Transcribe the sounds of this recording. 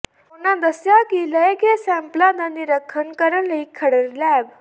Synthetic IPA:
onãd̪əsjakiləjəkesæ̃mplad̪aniɾəkʰːənkəɾənləikʰːəɽəɾlɛb

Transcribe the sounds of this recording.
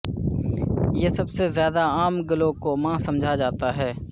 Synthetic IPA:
jesɐbsezjaːd̪aaːmɡɐlõkomãːsɐ̃md͡ʒʱad͡ʒaːt̪aɦɛː

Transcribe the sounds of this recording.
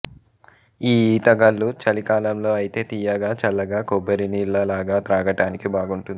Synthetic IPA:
iːiːt̪ɐɡɐlːut͡ʃɐlikaːlɐmlo̞ːɐjit̪e̞ːt̪ijɐɡaːt͡ʃɐlːɐɡaːkobɐɾinilːɐlaːɡaːt̪ɾaːɡɐʈaːnikibaːɡuɳʈund̪i

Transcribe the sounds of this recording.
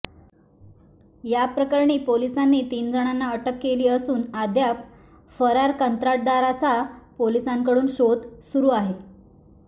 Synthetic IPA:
japɾəkaɾɳiːpolisanːiːt̪iːnd͡zəɽ̃anːaəʈəkːeliːəsuːnad̪jap | fəɾaɾkənt̪ɾaʈ̚d̪aɾat͡sapolisaŋkəɽuːnɕod̪suɾuːaɦe

